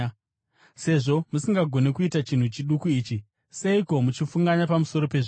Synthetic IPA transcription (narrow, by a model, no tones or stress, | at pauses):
se̞ʐo̞musiŋɡaɡʱo̞ne̞kuitat͡ʃin̤ut͡ʃiɗukuiːt͡ʃi | se̞iko̞mut͡ʃifuŋɡaɲapamuso̞ɾo̞pe̞ʐi